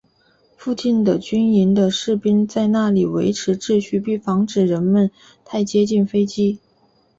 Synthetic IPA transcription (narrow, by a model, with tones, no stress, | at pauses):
fu˥˧t͡ɕi˥˩nd̪ə˩t͡ɕy˥ni˧˥nd̪ə˧ʂɻ̩˥˩pi˥nt͡sa˥˧ɪna˥˩li˨˩wḛ˧˥ɪʈ͡ʂʰɻ̩˧˥ʈ͡ʂɻ̩˥˧ɕy˥˧pi˥˩fɑ˧˥ŋʈ͡ʂɻ̩˨˩ɻə˧˥nmə˧n | t̪ʰa˥˩ɪt͡ɕjɛ˥t͡ɕi˥˩nfe˥ɪt͡ɕi˥